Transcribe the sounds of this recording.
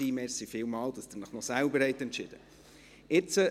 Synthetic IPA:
iːmɛsifɪːlmɑːld̥̪ɑsd̥̪əɾnəχnɔsælbəɾɦɛɪt̪ɛntt͡ʃɪd̥ə̰ | ɪt͡sə

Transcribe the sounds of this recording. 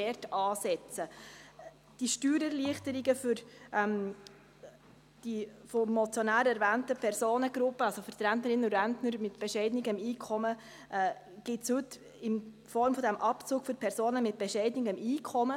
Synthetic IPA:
ɛɾtɑːsɛt͡sə | d̥iʃtyːɾɛɾliəχtəɾiɡəfʏɾʔɛm | d̥ifomɔt͡sjonæːɾɛɾvæːntəpʰɛɾsoːnəɡɾʊpːəɑlsofəɾtɾæntnəɾɪnːəʊɾæntnəɾmɪtb̥ɛʃɛɪdnɪɡəmiːkʰɔmə | ʔɛ | ɡ̥ɪtshʉtː | ɪn | fɔɾmfɔd̪æmʔɑpt͡suːkfyɾpʰɛɾsoːnəmɪt̚b̥ɛʃɛɪdnɪɡəmiːkʰɔmə

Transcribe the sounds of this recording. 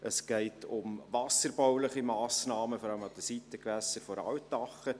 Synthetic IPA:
ʔəsɡ̥ɛɪtʊmʋɑsəɾbɔwlɪχimɑːsnɑːməfɔɾɑləmɑd̥̪əsitːəkʋæsəɾfɔɾɑ̰wtːɑχə

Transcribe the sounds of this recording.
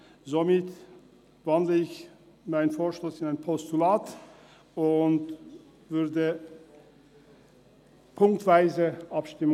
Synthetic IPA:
zomɪt | vandləɪç | maɪnənfoːɐʃlʊsɪnaɪnpʰɔstulaːt | ʊnt | vʏɐdə | pʰʊŋk̚tv̥aɪzəʔapʃtɪm

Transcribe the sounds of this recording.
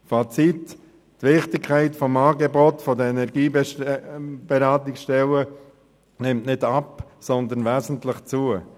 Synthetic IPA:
fat͡sit | tʋɪχtɪkkʰaɪtfɔmaːɡebotfɔdəɛnɛɾɡiːb | b̥eɾaːtɪksʃtɛlə | nɪmtnɪdapsɔnd̪ənvɛːzən̩tlɪχt͡suə

